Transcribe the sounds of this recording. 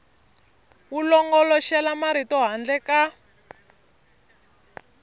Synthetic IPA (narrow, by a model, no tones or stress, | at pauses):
wulɔŋɡɔlɔʃɛlamaɾitɔɦand͡ɮɛka